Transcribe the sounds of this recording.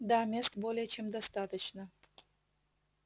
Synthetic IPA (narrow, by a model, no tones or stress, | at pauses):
d̪amʲest̪bolʲɪjət͡ɕemd̪ɐst̪at̪ət͡ɕnə